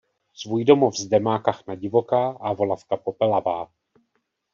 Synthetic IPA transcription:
svuːjdo̞mo̞vzdɛmaːkaxnaɟɪvo̞kaːʔavo̞lafkapo̞pɛlavaː

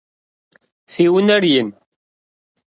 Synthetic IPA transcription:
θiwənæɾjən

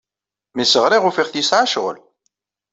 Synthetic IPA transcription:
misəʁɾiʁʊfiʁθjisʕaʃʁə̰l

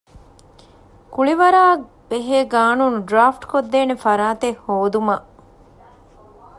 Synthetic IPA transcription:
kuɭiʋɐɾaː | b̥eɦeːɡaːnuːnuɖɾaːfʈkod̪ːeːnefɐɾaːt̪ehhoːd̪umɐ

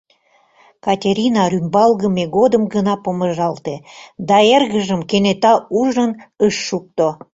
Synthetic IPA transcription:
kɑtʲeɾʲinɑrymbɑlɣəmeɣod̪əmɡənɑpoməʒɑlt̪ed̪ɑerɣəʒəmkenet̪ɑuʒənəʃːuk̚t̪o

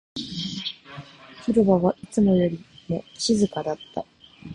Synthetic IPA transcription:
çiɾobaβaʔit͡sɨmo̞jo̞ɾʲimo̞ɕizɨkad̪at̪ːa̰

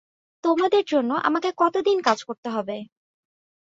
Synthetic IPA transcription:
t̪omad̪eɾd͡ʑonːoʔa̰makekɔt̪od̪inkad͡ʑkoɾt̪eɦɔbe

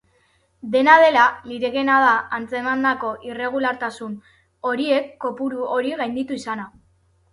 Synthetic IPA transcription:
d̪e̞nað̞e̞laliɾeɣe̞nað̞aant͡se̞mand̪ako̞ʔire̞ɣ̞ulaɾt̪asun | o̞ɾie̞kːo̞puɾuo̞ɾiɣajnd̪it̪uisana

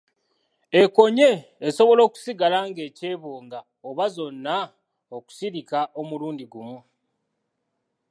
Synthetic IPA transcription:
e̞ko̞ɲe̞ːso̞βo̞lo̞ːku̥siɡalaŋɡe̞ːce̞ːβoːŋɡa | oβazo̞nːa | oku̥siɾikaʔo̞muluːndiɡumu

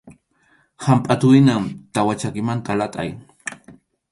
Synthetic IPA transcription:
hampʼat̪ʊɪnamt̪awat͡ʃakɪmant̪ʰalat̪ʼa̰j

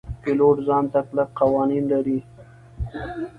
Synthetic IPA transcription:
kɪloʈzɑnt̪aklap̚qawɑninlaɾi

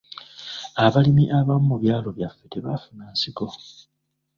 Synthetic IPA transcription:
aβalimiʔaβamumuβjaːlo̞βjafːeteβafunaːnsiko̞

